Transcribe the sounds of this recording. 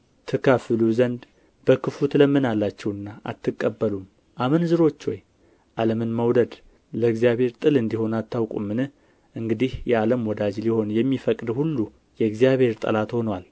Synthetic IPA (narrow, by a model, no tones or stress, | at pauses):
t̪ʰɨkʰəfɨluzənd̪ | b̥əkʰɨfut̪ləmːɨnalːat͡ʃːɛwɨnːaʔa̰t̪ʰːɨkʼːəbːəlum | ʔamɨnzɨɾo̞t͡ʃːoj | ʔaləmɨnməwd̪əd̪ | ləɨɡzijaβhe̞ɾt̪ʼɨlɨnd̪iho̞nat̪ʰːawkʼṵmːɨnɨh | ʔɨŋɡɨd̪ihjɛaləmwɔd̪ad͡ʒliho̞njɛmːifəkʼd̪hulːu | jɛɨɡzjaβhe̞ɾt̪ʼə̰lat̪ho̞nwal